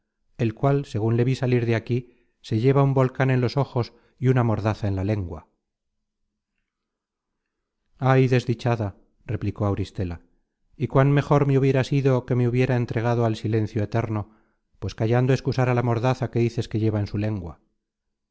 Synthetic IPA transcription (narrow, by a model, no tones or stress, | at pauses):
e̞lkwalse̞ɣ̞unle̞βisaliɾðeaki | se̞ʝe̞βaumbo̞lkane̞nlo̞so̞xo̞s | iunamo̞ɾðaθae̞nlale̞ŋɡwa | ajðe̞zðit͡ʃaða | re̞pliko̞awɾist̪ela | ikwanme̞xo̞ɾme̞uβje̞ɾasiðo̞ke̞meuβje̞ɾae̞nt̪ɾe̞ɣ̞aðoalsilẽ̞nθjoet̪e̞ɾno̞ | pwe̞skaʝand̪o̞e̞skusaɾalamo̞ɾðaθake̞ðiθe̞ske̞ʝe̞βaensule̞ŋɡwa